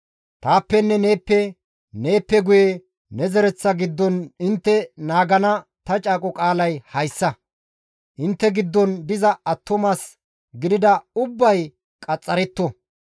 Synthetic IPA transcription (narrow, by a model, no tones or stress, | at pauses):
t̪aːpːɛnːɛneːpːɛ | ne̞ːpːɛɡʊje | nɛzɛɾɛt͡sːɐɡɪd̪ːɔnɪnt̪ːɛnaːɡɐnɐt̪ɐt͡ʃʼaːkʼɔkʼaːlɐjhɐjsːɐ | ʔɪnt̪ːɛɡɪd̪ːɔnd̪ɪzɐɐt̪ːɔmaːs | ɡɪd̪ɪd̪ɐʊbːɐj | kʼɐt͡sʼːɐɾɛt̪ːɔ